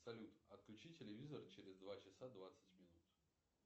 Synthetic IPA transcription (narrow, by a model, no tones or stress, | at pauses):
sɐlʲut̪ɐt̪̚klʲʉt͡ɕitʲɪlʲɪvʲizərt͡ɕɪɾʲɪzd̪vat͡ɕɪsad̪vat̪sɨtʲmʲɪnut̪